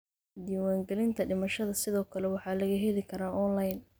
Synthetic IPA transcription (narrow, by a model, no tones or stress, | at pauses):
d̪iːwaːŋɡɛlɪnt̪ʰɐɖɪmɐʃɐðɐsɪðɔːkʰɐlɛwɑħɑːlɐɣɐɦɛlɪkʰɐɾaːʔɔnlɐjn